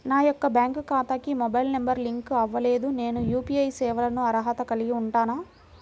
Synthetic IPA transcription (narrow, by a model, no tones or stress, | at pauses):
naːjɔkːɐbjaːŋkkaːt̪aːkimɔbɐjlnembɐɾliŋkɐʋːɐleːd̪une̞ːnujuːpiːɐjsɛːʋɐlɐnuɐɾɐɦɐt̪ɐkɐliɡiuɳʈaːnaː